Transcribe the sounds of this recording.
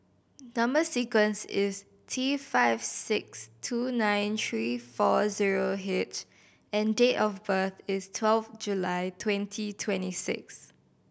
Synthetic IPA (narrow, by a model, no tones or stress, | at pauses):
nãmbəsikwə̃nsɪs | tʰifaɪvsɪkstʰunãɪ̃ntɹifɔziɹoɦet͡ʃ | ɛ̃ndetɔfbəθɪstʰwɛlfd͡ʒulaɪtʰwɛ̃ntʰitʰwɛ̃ntisɪ̰ks